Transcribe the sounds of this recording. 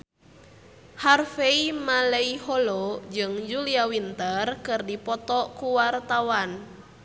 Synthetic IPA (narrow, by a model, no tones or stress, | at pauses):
harfeimaleiɦolod͡ʒɨŋd͡ʒuliawint̪ərkɨrdipɔt̪ɔkuwart̪awan